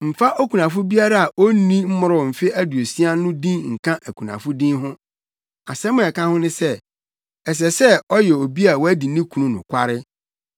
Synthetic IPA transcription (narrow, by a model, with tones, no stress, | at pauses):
m̩˨fa˦ʔo˦kʰu˨nã˨fʊ˦bi˦a˦ɾa˦a˨ʔo˦nĩ˦m̩˦mʊ˦ɾʊ˦˨m̩˨fɪ˦æ˦du˨o˨si˦a˦nʊ̃˦dĩ˦ŋ̩˨kʰã˦ʔæ˨kʰu˨nã̰˨fʊ˦dĩ˦nɦʊ̃˦ | a̰˨sɛ˦mʊ̃˨ɛ˨kã˦hʊ̃˦nʊ̃˦sɛ˦ | ɛ˨s̬ɛ˨sɛ˦ɔ˦jɛ˨o˨bi˦a˨wɔ˦æ˦di˨nĩ˦kʰu˨nũ˦nʊ̰̃˨kʰʷa˦ɾɪ˦